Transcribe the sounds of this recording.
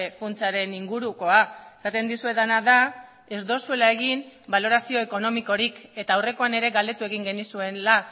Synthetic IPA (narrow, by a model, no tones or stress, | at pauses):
funt͡saɾe̞niŋɡuɾuko̞aesat̪e̞nd̪isue̞ðanaða | e̞zd̪o̞sue̞lae̞ɣimbalo̞ɾasio̞eko̞no̞miko̞ɾike̞t̪aːwre̞ko̞ane̞ɾe̞ɣald̪e̞t̪ue̞ɣ̞iŋɡe̞nisue̞nla